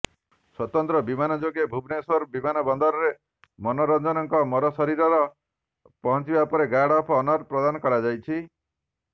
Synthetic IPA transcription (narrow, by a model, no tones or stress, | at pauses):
swɔt̪ɔnt̪ɾɔbimanɔd͡ʒoɡebʱubnesɔɾbimanɔbɔnd̪ɔɾɔɾe | mɔnɔɾɔnd͡ʒɔnɔŋkɔmɔɾɔsɔɾiɾɔɾɔ | pɔɦɔ̃nt͡ʃibapɔɾeɡaɽɔpʰɔːnɔɾpɾɔd̪anɔkɔɽad͡ʒajt͡ʃʰi